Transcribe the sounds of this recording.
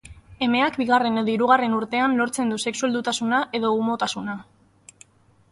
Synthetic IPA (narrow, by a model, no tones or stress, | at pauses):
e̞me̞akbiɣ̞are̞neðiɾuɣare̞nuɾt̪e̞anlo̞ɾt͡se̞nd̪use̞ksue̞ld̪ut̪asunaʔe̞ðo̞umo̞t̪asuna